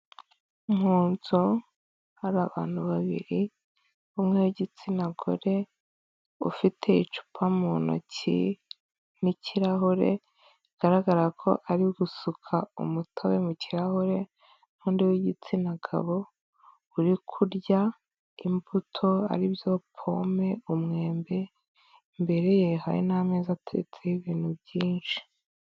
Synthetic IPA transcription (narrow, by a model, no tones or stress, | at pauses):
umhuːnzo | haɾaβa̰ːn̥huβaβḭɾi | umŋewiɟit͡sinaɡo̰ɾe̞ | ṵfitʰe̞it͡ʃu̥pʰamuno̰cḭ | niciɾaɦoɾḛ | iɡ̥aɾaɡaɾakʰo̞̰ʔaɾiɡusukʰaṵmutʰawemuciɾahoɾe̞ | nuːndiwiɟit͡sinaɡʰa̰βo̞ | uɾikʰuɾɟa | imbutʰo̞a̰ɾibjo̞pʰo̞me̞umŋe̞ːmbe̞ | mbe̞ɾe̞jeɦa̰ɾḭnameːzatʰeet͡sejiβiːn̥hubjiːnʃi̥